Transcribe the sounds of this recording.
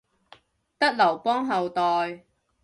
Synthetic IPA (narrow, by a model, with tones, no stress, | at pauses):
t̪ɐ˥k̚lɐ˨˩wpɔː˥ŋɦɐ˨wt̪ɔː˨j